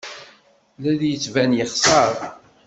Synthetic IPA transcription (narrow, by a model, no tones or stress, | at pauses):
læðjət͡sːvænjəχsˤəɾˤ